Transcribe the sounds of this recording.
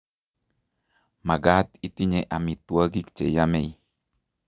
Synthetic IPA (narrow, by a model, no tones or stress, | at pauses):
maɡat̪it̪iɲeʔamit̪uəɡikt͡ʃḛjamej